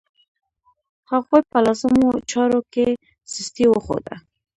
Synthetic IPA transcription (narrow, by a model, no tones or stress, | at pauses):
haɣojpəlasəmot͡ʃɑɾoke | sist̪iwəxo̰d̪a̰